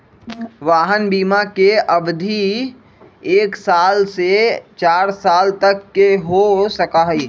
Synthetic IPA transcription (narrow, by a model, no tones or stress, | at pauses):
ʋaːɦənbiːmakeɐbd̪ʱi | eːksaːlset͡ʃaːɾsaːlt̪ɐkːeɦosɐkaɦiː